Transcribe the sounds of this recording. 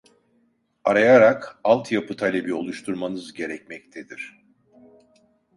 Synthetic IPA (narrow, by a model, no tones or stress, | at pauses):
aɾajaɾakalˠt̪ʰjapʰɯt̪ʰalʲebio̞̰lˠuʃt̪ʰuɾmanɯzɟe̞ɾɛc̚mɛc̚t̪ʰed̪iɾ̥